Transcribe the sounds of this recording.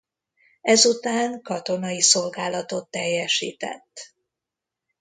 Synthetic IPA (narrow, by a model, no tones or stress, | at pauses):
ɛzut̪aːŋkɒt̪o̞nɒiso̞lɡaːlɒt̪o̞t̪ːɛjːɛʃḭːt̪ɛ̰t̪ː